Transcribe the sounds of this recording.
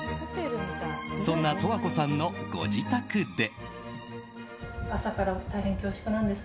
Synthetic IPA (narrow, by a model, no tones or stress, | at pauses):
sõ̞nːat̪o̞βako̞sãnːo̞ɡ̥o̞̰d͡ʑit̪akɯ̟d̪e̞ | asakaɾat̪aiɦẽ̞ŋkʲo̞ːɕi̥kɯ̟nãnd̪e̞s